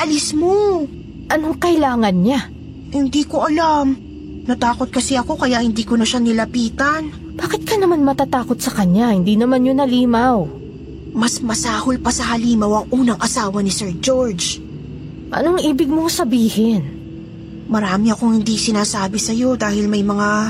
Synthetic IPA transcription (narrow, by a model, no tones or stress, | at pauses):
ʔɐlɪsmo | ʔɐnoŋkɐʔɪlaːŋɐnɲa | hɪnd̪iːkoʔɐlam | nɐt̪aːko̞t̪̚kɐsɛɐko̞kɐjaʔhɪnd̪iːkonɐʃanɪlɐpiːt̪ɐn | b̥aːkɪt̪̚kɐnɐmanmɐt̪aːt̪aːkot̪̚sɐkɐɲːahɪnd̪iːnɐmanɲonɐliːmaw | mɐsmɐsaːholpɐsɐhɐliːmɐwɐŋʔuːnɐŋʔɐsaːwɐnɪsɛɹd͡ʒoɹd͡ʒ | ʔɐ̰noŋʔiːbɪɡ̚mosɐbiːhɪn | mɐɾaːmɪɐkoŋhɪnd̪isɪnaːsaːbɪsɐjo̞d̪aːhɪlmɐjmɐŋa